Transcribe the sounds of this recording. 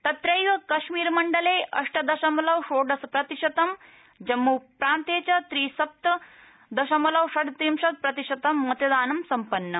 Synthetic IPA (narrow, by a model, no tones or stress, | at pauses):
t̪ɐt̪ɾɐjʋɐkɐʃmiːɾmɐɳɖɐleːɐʂʈɐd̪ɐʃɐmɐlɐʋʂoːɖɐspɾɐt̪iʂɐt̪ɐm | d͡ʑɐmːuːpɾaːnt̪eːt͡ɕɐt̪ɾiːsɐp̚t̪ɐ | d̪ɐʃɐmɐlɐʋʂɐɖ̪t̪imʂɐt̪̚pɾɐt̪iʂɐt̪ɐmːɐt̪ɐd̪aːnɐmsɐmpɐnːɐ